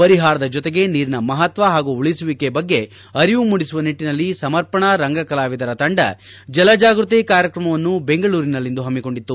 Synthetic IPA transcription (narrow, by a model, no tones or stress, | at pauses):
pɐɾiɦaːɾɐd̪ɐd͡ʒɔt̪eɡe̞niːɾinɐmɐɦɐt̪ʋɐɦaːɡuuɭisuʋikebɐɡːe̞ | ɐɾiʋumuɽisuʋɐniʈːinɐlːisɐmɐɾpɐɳɐɾɐŋɡɐkɐlaːʋid̪ɐɾɐt̪ɐɳɖɐ̰ | d͡ʒɐlɐd͡ʒaːɡɾut̪̬ekaːɾjɐkɾɐmɐʋɐnːube̞ŋɡɐɭuːɾinɐlːind̪uɦɐmːiko̞ɳɖit̪ːu